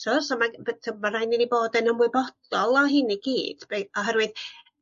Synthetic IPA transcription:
tʰʊsɔmabtʰəmarajnɪniboːdɛnəmwɪbɔd̥ɔlˠɔɦɪniɡiːd̥b̥eɔɦɛrwɨð

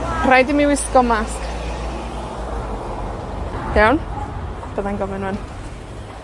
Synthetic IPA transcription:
rajdɪmiwɪskɔmask | hawnd̥əðanɡɔmɪnwɛn

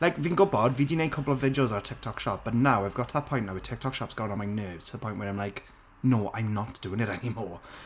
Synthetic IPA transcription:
laɪkvɪ̃ŋɡʊbɔdvidənẽɪmkʰʊpl̩ˠəvːɪdioʊzəətʰɪk̚tʰɔkʃɔp̚b̥ətⁿnaʊaɪvɡɔtʰəðət̚pʰɔ̃ɪnaʊwətʰɪk̚tʰɔkʃɔpsɡ̥ɔʊɪ̃ə̃nmaɪnɜːvz̥tʰəðəpʰɔ̃ɪ̃nʔwəɹãɪ̃mlaɪk | noːʔã̰ɪ̃mnətd̥uɪ̃ŋɪɾɛnimɔː

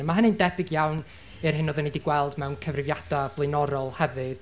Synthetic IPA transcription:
əmaɦənɨndɛbɪɡjawn | ɨrɦɨnɔðənediɡwɛlˠdmɛwnkʰəvrɪvjad̥ablˠɨnɔɾɔlˠhɛvɨð̥

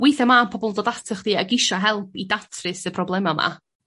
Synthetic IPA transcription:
wɪjθamanpʰɔbɔlˠdɔdatʰəχd̥iːaɡɪʃaɦɛlˠpʰidatʰrɨsəpʰrɔblˠɛmama̰

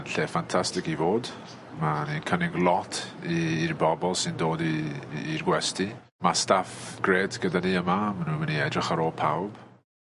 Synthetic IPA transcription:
nɬeːfantʰastɪkivoːd | maninkʰənɪɡlˠɔtʰiːrbɔbɔlˠsɨndoːdiːrɡwɛstʰi | mastafɡ̥reːdɡ̥ədaniːəmamanuːnwɛniɛdrɪχaɾoːlˠpʰawb̥

